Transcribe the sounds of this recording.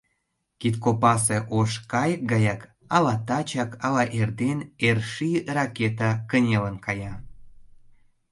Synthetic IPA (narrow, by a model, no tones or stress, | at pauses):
kit̪kopɑs̬eʔoʃkɑjək̚ɡɑjɑk | ɑlɑt̪ɑt͡ɕɑkɑlɑʔerd̪enerʃirɑket̪̬ɑkənʲelənkɑjɑ